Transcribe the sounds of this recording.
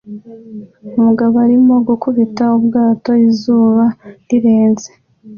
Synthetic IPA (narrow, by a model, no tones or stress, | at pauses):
umuɡaβoaɾimo̞ɡukuβitaubɡaːto̞izuːβaɾiɾeːnze